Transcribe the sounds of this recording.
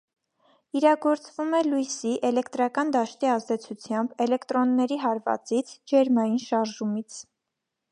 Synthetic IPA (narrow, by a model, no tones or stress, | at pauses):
iɾɑɡɔɾt͡svumɛlujsiʔɛlɛkt̪ɾɑkɑnd̪ɑʃt̪iɑzd̪ɛt͡sʰut͡sʰjɑmbɛlɛkt̪ɾɔnːɛɾiɦɑɾvɑ̰t͡sit͡sʰd͡ʒɛɾmɑjinʃɑɾʒumit͡sʰ